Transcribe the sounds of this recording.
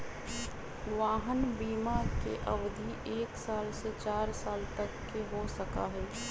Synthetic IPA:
ʋaːɦənbiːmakeʔəʋd̪ʱiʔeːksaːlset͡ʃaːɾsaːlt̪əkːeɦosəka̰ɦɛː

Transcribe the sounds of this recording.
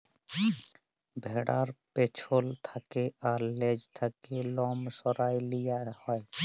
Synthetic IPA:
bʱeɽaɾpet͡ʃʰolt̪ʰakeaɾled͡ʒt̪ʰakelɔmsɔɾaːjlijahɔe

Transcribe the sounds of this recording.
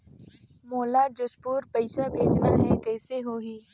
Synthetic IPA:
moːlad͡ʒʊspuːɾpɐɪsabʱeːd͡ʒnaɦɛkɛːseɦoːɦiː

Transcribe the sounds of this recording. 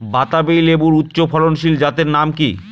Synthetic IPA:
bat̪abejlebuɾut̪ːɕopʰɔɾonʃild͡ʑat̪eɾnamki

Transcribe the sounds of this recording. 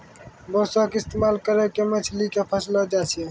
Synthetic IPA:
bɔsɔkɪst̪emalkəɾekemət͡ʃʰlikepʰəslɔd͡ʒat͡ʃʰie

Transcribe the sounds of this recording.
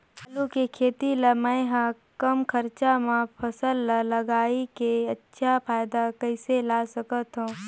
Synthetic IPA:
ɐlukekʰeːt̪ilɐmə̃jɦã | kəmkʰəɾt͡ʃamãpʰɐsəlːɐləɡaːikeɐtːʃʰapʰaːjd̪akəɪselaːsəkət̪ɦõː

